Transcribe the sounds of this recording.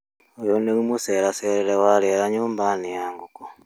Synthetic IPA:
ojoneɾimuseɾaseɾelewaleɾaɲuːmbanijaːŋɡuko̥

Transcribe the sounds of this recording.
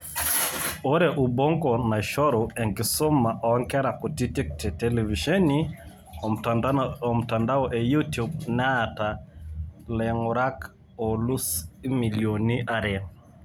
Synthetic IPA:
oɾɛʔubɔŋɡɔnaʃɔɾɔɛŋɡisɔmaʔɔŋkɛɾakutitik̚tɛtɛlɛviʃɛni | m̩tandaɔʔɛjutub̚nɛata | lɛŋɔɾak | ɔlusmiliɔniʔaɾɛ

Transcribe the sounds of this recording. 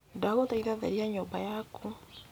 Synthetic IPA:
daɣotaiðaðɛ̰ɾiaɲoːmbajako

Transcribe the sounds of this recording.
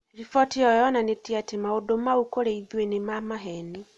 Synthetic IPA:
ɾifɔtiɔjɔnanetiatemaodomaukoɾeiðwenemamaɦɛni

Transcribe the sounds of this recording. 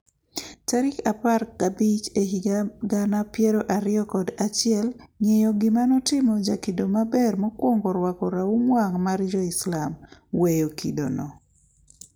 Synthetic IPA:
taɾɪkaparkabit͡ʃeɦiɡaɡanapjɛɾoʔaɾɪɔkɔdat͡ʃɪɛlɲejɔɡɪmanɔtɪmɔd͡ʒakidomabɛrmɔkwoŋɡɔɾwakɔɾaumwaŋmaɾd͡ʒɔɪslamwejokḭdo̰nɔ

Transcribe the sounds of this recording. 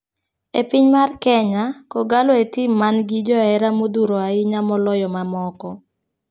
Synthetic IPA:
ḛpiɲmarkɛɲakɔɡalɔetimːanɡɪd͡ʒɔɛɾamod̪uɾoaɪɲamɔlɔjɔmamɔkɔ

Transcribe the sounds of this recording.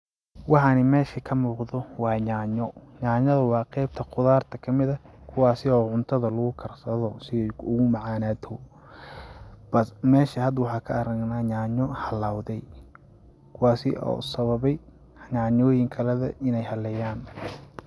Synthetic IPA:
wɑħɑnɪmɛːʃɐkʰɐmuːqðɔwɑːɲaːɲɔɲaːɲɐðɐwɑːqɛjb̚t̪ʰɐqʊðaːrt̪ʰɐkʰɐmɪðɐkʰʊwɑːsɪɔːʕʊnt̪ʰɐðɐlʊɣʊkʰɐrsɐðɔsɪɛʊɣʊmɑʕɑːnaːt̪ʰɔ | b̥ɐmɛːʃɐhɐd̪wɑħɑːkʰɐɐɾɐŋnaːɲaːɲɔhɐlaːwðɛj | kʰʊwɑːsɪ̰ɔ̰ːsɐβɐβɛj | ɲaːɲɔːjɪŋkʰɐlɐðɐ̰ʔɪnɛjhɐlɛjaːn

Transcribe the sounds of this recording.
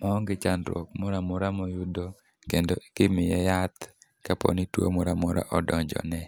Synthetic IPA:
mɔŋɡɪt͡ʃandɾɔ̰k̚mʊɾamʊɾamɔjudo | kendoʔikɪmɪjɛjat̪kapɔ̰nitwo̰mɔɾamʊɾa̰ʔɔdɔɲd͡ʒɔ̰nɛ

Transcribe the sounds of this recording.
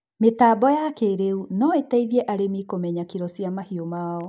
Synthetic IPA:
metaːbɔjakeɾeunɔetaiðiɛʔaɾemikomɛɲakiɾɔsjamahiomaɔ

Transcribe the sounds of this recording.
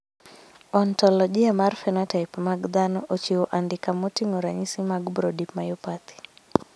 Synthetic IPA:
ɔntɔlɔʄiamaɾfɛnatajpmaɡd̪anɔʔɔt͡ʃiuʔandikamutimuɾaɲisimaɡubɾɔdipmajupat̪i̥

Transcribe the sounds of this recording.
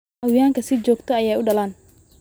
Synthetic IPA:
ɐwjaːŋkʰɐsɪd͡ʒɔːɡt̪ʰɔɐjaːʊɖɐlaːn

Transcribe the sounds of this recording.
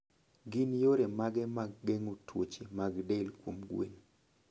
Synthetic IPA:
ɡinjoɾemaɡɛmaɡ̚ːeŋutwot͡ʃemaɡdelkwomɡwḛn

